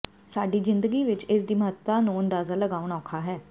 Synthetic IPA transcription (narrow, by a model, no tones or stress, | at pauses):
saːɖiːzɪnd̪əɡiːʋɪt͡ʃɪsd̪iːməɦət̪ːaːnũːənd̪aːzaːləɡaːʊɳɔːkʰaːɦɛː